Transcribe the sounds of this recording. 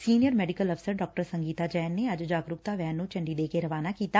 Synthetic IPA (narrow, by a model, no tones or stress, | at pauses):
siːnɪjəɾmɛːɖɪkələpʰsəɾɖɔːk̚ʈəɾsə̃ŋɡiːt̪aːd͡ʒɛːnːeəd͡ʒd͡ʒaːɡɾʊk̚t̪aːʋɛːnːũːt͡ʃəɳɖiːd̪eːkeɾəʋaːnaːkiːt̪aː